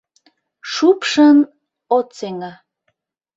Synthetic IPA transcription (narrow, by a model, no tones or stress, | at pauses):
ʃupʃən | ot͡seŋɑ